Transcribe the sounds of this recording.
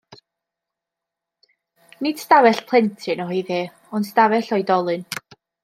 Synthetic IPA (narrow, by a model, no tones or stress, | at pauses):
nɪd̥stavɛɬpʰl̥ˠɛntʰɨnɔɦiðeː | ɔnstavɛɬɔjdɔlˠɨn